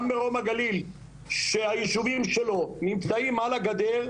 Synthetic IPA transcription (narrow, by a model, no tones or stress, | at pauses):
mbeʁo̞maɡalil | ʃeajiʃuvimʃelo̞nimt͡saimalaɡad̪eʁ